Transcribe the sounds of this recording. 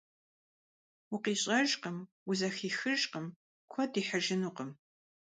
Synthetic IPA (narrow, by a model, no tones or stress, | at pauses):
wʊqiːɕʼɐʒqəmwʊzɐxiːxɨʒqəm | kʷʰɔdiːħəʒɪnuːqəm